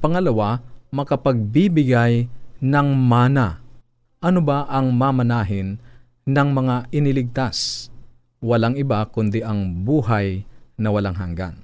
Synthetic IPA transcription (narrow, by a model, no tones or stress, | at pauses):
pɐŋɐlɐwamɐkɐpɐɡ̚bibɪɡajnɐŋmaːna | ʔɐnobaʔɐŋmamɐnaːɦɪn | nɐŋmɐŋaʔɪnɪlɪɡ̚t̪as | wɐlaŋɪbakʊnd̪ɪʔɐŋbuːɦajnɐwɐlaŋɦaŋɡa̰n